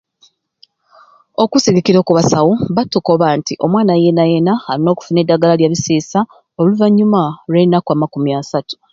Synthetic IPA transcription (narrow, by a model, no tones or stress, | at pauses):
o̞kusiɡikiɾo̞ːkuβasawoβatuko̞βantiʔo̞mwaːnajenajenahaɾino̞ːku̥fune̞dːaɡalaljaβiseːsa | o̞luvaɲːumaɾeinakwamakumiasatu̥